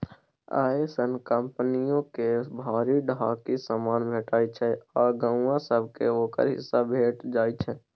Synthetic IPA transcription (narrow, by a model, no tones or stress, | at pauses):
a̰ːesənkə̃mpnijõkebʱaːɾiɖaːkisamaːnbʱeːʈaːit͡ʃʰɛɔːɾɡə̃ʊãsəbʱkeoːkə̰ɾɦɪ̰sːabʱeːʈd͡ʒaːit͡ʃʰɛː